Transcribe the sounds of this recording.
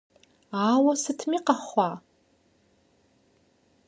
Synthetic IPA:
aːwasɨtʰmiqaχʷa

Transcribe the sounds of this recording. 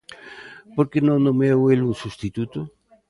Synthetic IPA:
poɾkenõŋd̪õmeweluŋsust̪it̪ut̪o

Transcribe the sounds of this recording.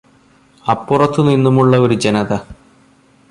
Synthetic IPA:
ɐpːurɐt̪ːɨninːumuɭːɐo̞ɾud͡ʑenɐðɐ

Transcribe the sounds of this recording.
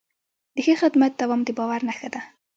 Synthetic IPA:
d̪əxexɪd̪mat̪̚d̪awɑmd̪ebɑwaɾnaxad̪a

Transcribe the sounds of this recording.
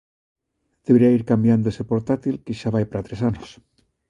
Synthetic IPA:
d̪̥eβɾiaiɾkambjand̪oese̞po̞ɾt̪at̪ilkeʃaβajpaɾat̪ɾe̞sanos

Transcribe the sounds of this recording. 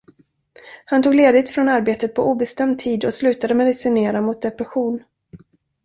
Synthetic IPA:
hant̪ʰuːɡleːd̪ɪt̪fɾɔnaɾbeːt̪ət̪̚pʰɔʔuːbɛst̪ɛmd̪̚t̪ʰiːd̪ɔslʉ̟ːt̪ad̪əmɛd̪ɪsɪneːɾamʊt̪̚d̪ɛpɾɛɧuːn

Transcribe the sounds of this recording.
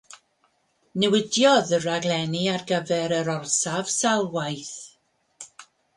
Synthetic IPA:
nɛwɪdjɔðəraɡlˠɛniarɡəvɛɾəɾɔrsav̥salˠwajθ

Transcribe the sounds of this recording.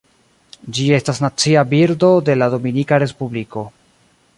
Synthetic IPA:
d͡ʒie̞stasnat͡siabiɾdo̞de̞lado̞minikaɾe̞spubliko̞

